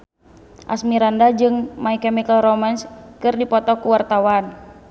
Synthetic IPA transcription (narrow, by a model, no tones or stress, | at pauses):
ʔa̰smiɾandad͡ʒɨŋmaikɛmikəlrɔmanskɨrdipɔt̪ɔkuwart̪awan